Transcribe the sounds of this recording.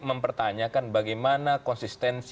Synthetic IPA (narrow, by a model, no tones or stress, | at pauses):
məmpərt̪aɲakanbaɡajmanakɔnsist̪ɛns